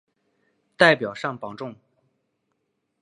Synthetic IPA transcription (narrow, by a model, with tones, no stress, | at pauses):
t̪a˥˩ɪpjɑ˨˩ʊʂɑ˥˩ŋpɑ˨˩ŋʈ͡ʂʊ˥˩ŋ